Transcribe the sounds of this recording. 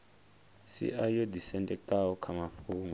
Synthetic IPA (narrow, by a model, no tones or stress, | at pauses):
sḭʔajodisɛntʼɛk̚tʼaɔkʰamaɸuːŋa